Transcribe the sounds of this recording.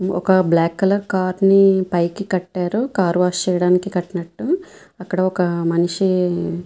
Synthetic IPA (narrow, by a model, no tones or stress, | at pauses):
ɔ̰kɐblaːkːɐlɐɾkaːɾnipɐjkikɐʈːaːɾukaːɾʋaːst͡ʃɛːjɐɽaːnikikɐʈːinɐʈːu | ɐkːɐɽɐɔkɐmɐniʂi